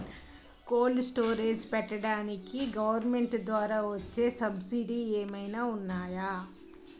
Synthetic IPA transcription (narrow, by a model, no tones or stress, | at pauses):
koːlsʈo̞ːɾeːd͡ʒpɛʈːɐɽaːnikiɡɐʋɐɾme̞ɳʈd̪ʋaːɾaːʋɐt͡ʃːe̞ːsɐbsiɖieːmɐjnaːunːaːjaː